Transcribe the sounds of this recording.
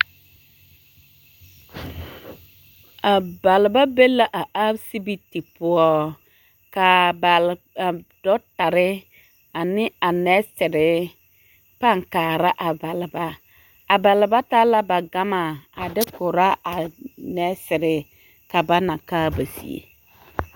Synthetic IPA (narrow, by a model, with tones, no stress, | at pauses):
a˨ba˨lɪ˨ba˦be˦la˦ʔa˨ʔa˦bsi˦bi˦ti˨pʊ˦ɔ˦ | ka˨ba˨l | a˨dɔ˦ta˨ɾɪ˦ | a˨nɪ˦a˨nɛ˦sɪ˨ɾɪ˨ | pa˦˨ŋkaː˨ɾa˦ʔa˨ba˨lɪ˨ba˦ | a˨ba˨lɪ˨ba˦ta˦la˦ba˨ɡa˦ma˨a˨dɪ˦kʊ˨ɾa˦a˨nɛ˦sɪ˨ɾɪ˨ | ka˨ba˦na˨kaː˦ba˨sḭ˨ḛ˨